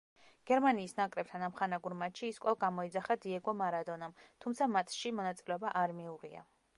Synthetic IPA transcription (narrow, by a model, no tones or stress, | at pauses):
ɡ̥ɛɾmaniːsnakʼɾɛp̚t̪ʰanamχanaɡuɾmat͡ʃʃiːskʼɔlɡamɔid̪zaχad̪iɛɡɔmaɾad̪ɔnamt̪ʰumt̪sʰamat̪ʰʃimɔnat̪sʼilɛɔbaʔaɾmiuʁia̰